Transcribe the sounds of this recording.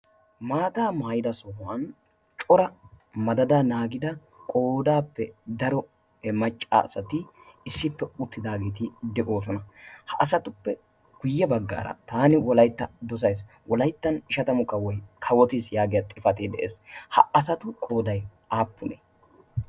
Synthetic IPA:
maːt̪aːmaːjɪd̪ɐsɔhɐn | t͡ʃʼɔɾɐmɐd̪ɐd̪aːnaːɡɪd̪ɐ | kʼo̞ːd̪aːpːɛd̪ɐɾɔ | mɐt͡ʃʼːa̰ːɐsɐt̪ɪ | ɪsːɪpːɛʊt̪ʰːɪd̪aːɡeːt̪ɪd̪ɛʔo̞ːs̬ɔnɐhɐʔsɐt̪ʊpːɛ | ɡ̥ʊjːɛbɐɡːa̰ːɾɐ̰t̪aːnɪwɔlɐjt̪ːɐd̪ɔs̬ɐjs | wʔɔlɐjt̪ːɐnɪʃɐt̪ɐmʊkɐwɔjkʰɐwɔt̪isjaːɡɪjɐt̪ʼɪfɐt̪ed̪ɛʔḛːshɐ̰ɐsɐt̪ʊkʼo̞ːd̪ɐjʔaːpːʊne

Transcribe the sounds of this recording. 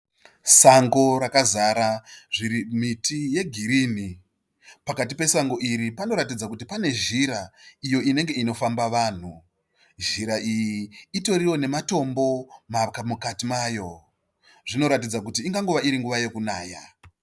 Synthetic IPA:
saŋɡo̞ɾakazaɾaʐiɾimitije̞ɡʱiɾini | pakat̬ipe̞saŋɡo̞ʔiɾipano̞ɾatid͡zakutipane̞ʒiɾaijo̞ine̞ŋɡe̞ino̞fambaʋaːn̤u | ʒiɾaijiːto̞ɾiwo̞ne̞mato̞mbo̞makmukatimajo̞ | ʐino̞ɾatid͡zak̬utiːŋɡaŋɡuʋaiɾiŋɡuʋaje̞kunaːja

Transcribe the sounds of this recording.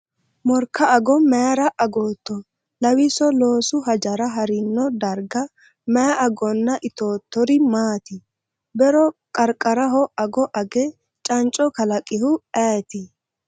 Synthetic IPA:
mɔɾkːɐɐɡɔmɛɾɐʔɐɡoːt̪ːɔ | lɐwisɔlo̞ːsʊɦɐd͡ʒɐɾɐɦɐɾɪnːɔd̪ɐɾɡɐ | mɛaɐɡɔnːɐʔɪt̪oːt̪ːɔɾɪmaːt̪ɪ | bɛɾɔkʼɐɾkʼɐɾɐɦɔʔɐɡɔʔɐɡɛ | t͡ʃʼɐnt͡ʃʼɔkɐlɐkʼɪhʊaːt̪ɪ

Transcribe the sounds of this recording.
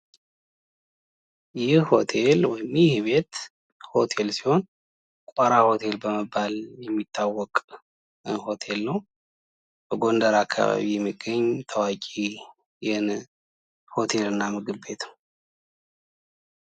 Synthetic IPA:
jɪho̞t̪ʰe̞lwɔjɪmjɪhβe̞t̪ | ho̞t̪ʰe̞lsi̥ho̞n | kʷʼaɾaho̞t̪ʰe̞lbəməbːaljɛmːit̪ːawːɔkʼ | ho̞t̪ʰe̞lːəw | b̥əɡo̞nd̪əɾakʰːa̰βa̰βijɛmːiɡːəɲːt̪ʰəwakʼi | jɛhɨn | ho̞t̪ʰe̞lɨnːamɨɡɨbe̞t̪

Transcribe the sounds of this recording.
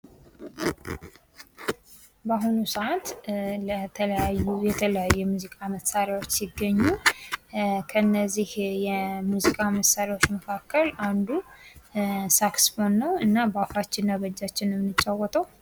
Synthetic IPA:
baɦunusəʔat̪lət̪ʰələjajːujɛt̪ʰələjajːuɛmuzikʼaməsaɾjawot͡ʃːsɪɡːəɲːu | kʰəɨnːəzːihjɛmuzikʼaməsaɾawot͡ʃːməkʰakːəland̪u | saksfonːəwɨnːabəafat͡ʃːɪnːaβəd͡ʒːat͡ʃːɪnɛmnɨt͡ʃʼːawɔt̪ʼəw

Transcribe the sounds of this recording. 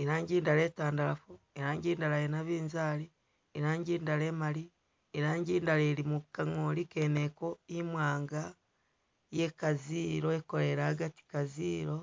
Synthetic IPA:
eɾaːɲɟiːndaɾeːtaːndalafo | eɾaːɲɟiːndalajenaβiːnzaɾi | eɾaːɲɟiːndale̞ːmaɾi | eɾaːɲɟiːndaleɾimukaŋoɾikeːne̞ko̞imwaːŋɡa | je̞kaziːɾoeko̞ɾe̞ɾahaɡati̥kaziːɾo̞

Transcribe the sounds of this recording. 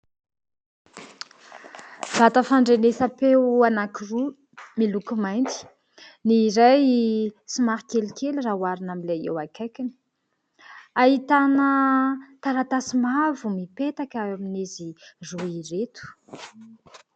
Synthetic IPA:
z̥at̪əfaɳɖ͡ʐenesəpewanakiru | milukumajnt̪i̥ | niːɾajsimaɾikelikelirawaɾinamilajḛwakakin | aɦit̪anət̪aɾat̪asimavumipet̪akaamineziruiret̪u̥

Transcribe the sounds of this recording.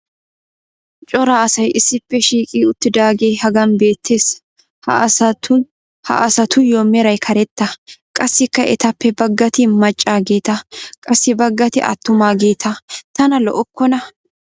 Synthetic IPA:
t͡ʃʼɔɾaːɐsɐjʔɪsːɪpːɛʃiːkʼiːʊt̪ːɪd̪aːɡe̞ːhɐɡɐnbe̞ːt̪ʰːe̞ːs | hɐ̰sɐ | hɐ̰ʔɐsɐt̪ʊjoːmɛɾɐjkʰɐɾɛt̪ːɐkʼɐsːɪkːɐʔɛt̪ɐpːɛbɐɡːɐt̪ɪmɐt͡ʃʼːaːɡeːt̪ɐkʼɐsːɪbɐɡːɐt̪ɪ̰ʔɐ̰t̪ːʊmaːɡeːt̪ʰɐt̪ɐnɐlɔ̰ʔɔkːɔnɐ

